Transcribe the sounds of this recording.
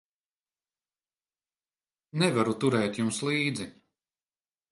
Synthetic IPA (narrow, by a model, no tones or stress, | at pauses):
nɛvaɾut̪uɾɛːt̪jumslˠiːd̪zi